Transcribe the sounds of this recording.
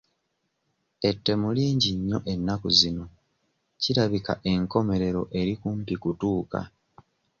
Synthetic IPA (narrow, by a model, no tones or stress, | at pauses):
e̞tːe̞muliːɲɟiɲːo̞ʔe̞nːakuzino̞ | ciɾaβika̰ʔe̞ŋko̞me̞ɾe̞ɾo̞̰ʔe̞ɾikumpikutuːka̰